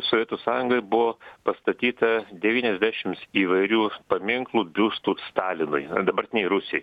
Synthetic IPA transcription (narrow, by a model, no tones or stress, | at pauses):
soʋʲiːt̪usɑːjʊŋɡɐɪbʊʋoːpɐst̪ɐt̪ʲiːt̪ɐd̪ʲɛʋʲiːnʲɛzʲd̪ʲæʃʲɪmsiːʋɐɪɾʲuːpɐmʲɪŋklˠuːbʲuːst̪uːst̪ɑːlʲɪnʊjd̪ɐbɐɾʲt̪ʲɪnʲɛɪɾʊsʲɛj